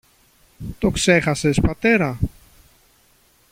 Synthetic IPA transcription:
t̪o̞kse̞xɐse̞spɐt̪e̞ɾɐ

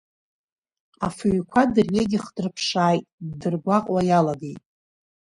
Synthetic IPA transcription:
afɨɥkʷʰadɨrjeɡʲɪχdɨrpʰʂaːjtʼdɨrɡʷaqʼwajalaɡejtʼ

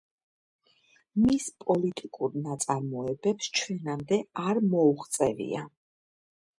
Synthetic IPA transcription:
mispʼɔlit̪ʼikʼuɾnat̪sʼaɾmɔɛbɛpst͡ʃʰwɛnamd̪ɛaɾmɔuχt̪sʼɛvḭa

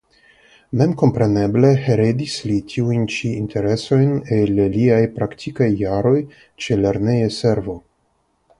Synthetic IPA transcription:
me̞mko̞mpɾe̞ne̞ble̞heɾedislitʰiujnt͡ʃiːntʰe̞ɾe̞so̞jneleliajpɾaktʰikajːaɾo̞j | t͡ʃeleɾnejese̞ɾvo̞

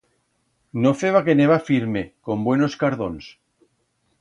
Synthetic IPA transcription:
nofeβakeneβafiɾmekombwenoskaɾðons

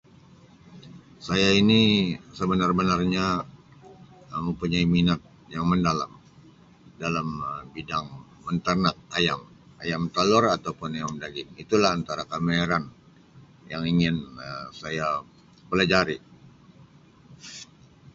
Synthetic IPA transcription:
sajainisəbənarbənarɲa | məmpuɲaiminat̪̚ | jaŋməndala̰m | dalaməbidaŋ | mənt̪ərnat̪̚ajam | ajamt̪alɔrat̪awpʊnajamdaɡɪŋit̪ulaɦant̪aɾakameɾan | jaŋiŋɪnəsaja | pəlad͡ʒaɾi

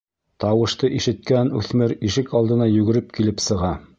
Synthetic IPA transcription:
t̪ɑwɤ̆ʃt̪ɤʔiʃɘ̆t̪̚kænʉθmɘɾiʃɘkɑlˠd̪ɤ̆nɑjʉɡɘ̆ɾɘp̚kilɘpsɤ̆ʁɑ

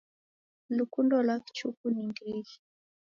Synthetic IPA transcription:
lukundɔlakt͡ʃukuniŋɡɾiʒi̥

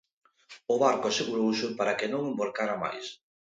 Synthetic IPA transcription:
ʊβaɾkʊaseɣuɾowsɪpaɾakɪnõŋemboɾkaɾama̰js

